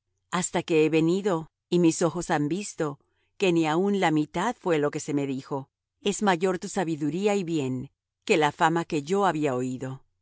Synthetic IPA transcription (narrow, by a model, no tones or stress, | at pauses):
ast̪ake̞eβe̞niðo̞ | imiso̞xo̞sambist̪o̞ | ke̞niaunlamit̪aðfwe̞lo̞ke̞se̞me̞ðixo̞ | e̞zmaʝo̞ɾt̪usaβiðuɾiaiβje̞ŋ | ke̞lafamake̞ʝo̞aβiaoiðo̞